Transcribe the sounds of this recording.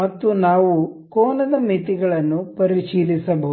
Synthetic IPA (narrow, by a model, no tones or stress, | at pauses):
mɐt̪ːunaːʋukɔːnɐd̪ɐmit̪iɡɐɭɐnːupɐɾiʃiːlisɐbɐ